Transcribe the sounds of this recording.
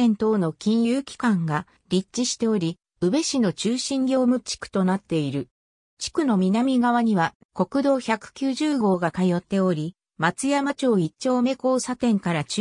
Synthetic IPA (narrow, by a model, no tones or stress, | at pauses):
ẽnt̪o̞ːno̞kʲĩɰ̃jɯːkʲi̥kãŋɡa | ɾʲit͡ɕːiɕi̥t̪e̞o̞ɾʲi | ɯ̟be̞ɕino̞t͡ɕɨːɕĩŋɡʲo̞ːmɯ̟t͡ɕi̥kɯ̟̥t̪o̞nat̪ːe̞iɾɯ̟ | t͡ɕi̥kɯ̟no̞mʲinamʲiɡaβ̞aɲ̟iβa | ko̞kɯ̟d̪o̞ːçakɯ̟̥kʲɨːʑɨːɡo̞ːɡakajo̞t̪ːe̞o̞ɾʲi | mat͡sɨjamat͡ɕo̞ːit͡ɕo̞ːme̞ko̞ːsat̪ẽ̞ŋkaɾat͡ɕ